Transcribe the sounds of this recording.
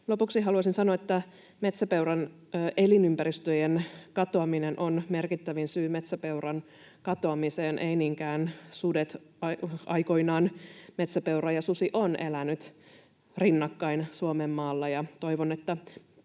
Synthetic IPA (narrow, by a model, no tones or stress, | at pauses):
lo̞puksihɦɑluɑsinsɑnoɑet̪ːæ | me̞t̪sæpeurɑnː | ʔelinympæɾist̪øjenkɑt̪oɑminenʔonme̞rkit̪ːæʋinsyːme̞t̪sæpe̞urɑn | kɑt̪oɑmiseːnʔejniːŋkæːnsudet̪ɑɑjkoinɑːnmet̪sæpe̞uɾrɑjɑsusiʔonʔelænyt̪ | rinːɑkːɑinsuomemːɑːlːɑjɑt̪o̞jʋonet̪ːæ